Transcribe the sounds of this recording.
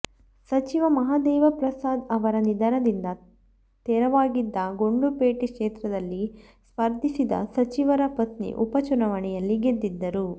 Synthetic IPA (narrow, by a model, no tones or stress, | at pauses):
sɐt͡ʃiʋɐmɐɦaːd̪ɛːʋɐpɾɐsaːd̪ɐʋɐɾɐnid̪aːnɐd̪ind̪ɐ | t̪ɛːɾɐʋaːɡid̪ːɐɡo̞ɳɖupeːʈikʂeːt̪ɾɐd̪ɐlːi | spɐɾd̪ʱisid̪ɐ̰sɐt͡ʃiʋɐɾɐpɐt̪nḭʔupɐt͡ʃunɐʋɐɳɛjɐlːiɡed̪ːid̪ːɐɾu